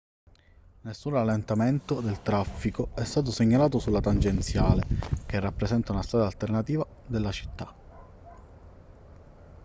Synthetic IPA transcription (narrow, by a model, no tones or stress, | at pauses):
nesːunralːent̪ament̪od̪elt̪ɾafːikoɛst̪aːt̪̬oseɲːalaːt̪osulːat̪and͡ʒent̪sjaːlekerːapːɾesɛnt̪aunast̪ɾaːd̪alt̪ernat̪iːva | d̪elːat͡ʃi̥t̪ːa